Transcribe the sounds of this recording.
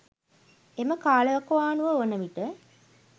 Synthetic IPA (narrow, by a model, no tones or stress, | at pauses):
eməkaːləʋɐkɐʋaːnuʋəonəʋiʈə